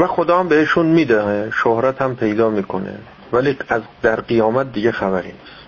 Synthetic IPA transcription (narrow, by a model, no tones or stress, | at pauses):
væxod̪ɒːhæmbeeʃunmiːd̪æeʃohɾæt̪ʰhæmpʰe̞jd̪ɒːmiːkʰonḛ | væliæzd̪æɾɢijɒːmæt̪̚d̪iɟexæbæɾḭːnis